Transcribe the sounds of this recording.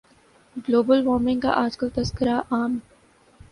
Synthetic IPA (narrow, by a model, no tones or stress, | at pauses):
ɡloːbəlʋɔːɾmɪ̃ŋka̰ʔaːd͡ʒkəlt̪ɐskəɾaʔaːm